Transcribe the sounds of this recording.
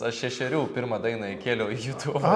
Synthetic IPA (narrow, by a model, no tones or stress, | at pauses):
ɐʃʃʲɛʃʲɛɾʲuːpʲɪɾmɐd̪ɐɪnɐɪkʲeːlʲɛʊijut̪uʋ